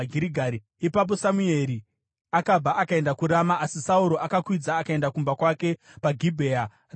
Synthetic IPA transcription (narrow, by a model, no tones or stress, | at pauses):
ɡʱiɾiɡʱaɾi | ipap̬o̞samue̞ɾi | akab͡vaʔakae̞ndakuɾamaʔːsisauɾo̞ʔakakwid͡zaːkae̞ndakumbakwake̞paɡʱibʱeːa | r